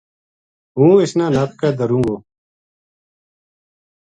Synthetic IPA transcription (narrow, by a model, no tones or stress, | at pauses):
ɦũːɪsnãːnaːp̪̚kɛːd̪əɾũːŋɡoː